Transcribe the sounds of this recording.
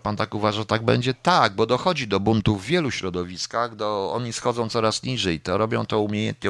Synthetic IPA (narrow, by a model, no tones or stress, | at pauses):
pant̪akuvaʐat̪aɡ̚bɛ̰ɲd͡ʑɛt̪aɡ̚bɔd̪ɔxɔd͡ʑid̪ɔbunt̪uvːʲjɛluɕɾɔd̪ɔvʲiskaɣd̪ɔɔ̰ɲisxɔd̪zɔ̃w̪̃sɔɾasɲiʐɛjt̪ɔɾɔbʲjɔ̃w̃t̪ɔumʲjejɛ̰nt̪ɲɛ